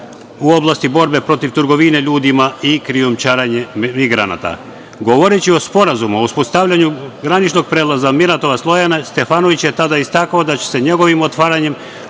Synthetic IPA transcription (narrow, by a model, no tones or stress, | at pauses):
uo̞blˠast̪ibo̞ɾbe̞pɾo̞t̪iʋt̪ɨɾɡo̞ʋine̞ʎuːd̪imaikɾiomt͡ʃaːɾaɲemiɡɾa̰na̰t̪a̰ | ɡo̞ʋo̞ɾet͡ɕio̞spo̞ɾazumuouspost̪aʋʎaɲuɡɾanit͡ʃno̞ɡ̚pɾeːlˠazamiɾat̪o̞ʋaslˠo̞janest̪e̞fanoʋit͡ɕje̞t̪ad̪aist̪akaod̪at͡ɕe̥se̞ɲe̞ɡo̞ʋimo̞t̪ʋaːɾaɲe̞m